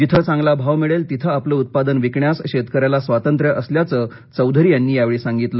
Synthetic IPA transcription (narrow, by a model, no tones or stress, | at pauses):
d͡ʑit̪ʰət͡sãŋɡlabʱaʋmiɭelt̪it̪ʰəapləːut̪̚pad̪ənʋikɳjasɕet̪kəɾjalasʋat̪ənt̪ɾjəʔəsljat͡səː | t͡səwd̪ʱəɾiːjanːiːjaʋeɭiːsãŋɡit̪lə